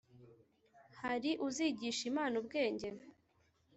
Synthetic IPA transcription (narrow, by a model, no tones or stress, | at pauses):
haɾiʔuziːɟiːʃimaːnubɡe̞ːɲɟe̞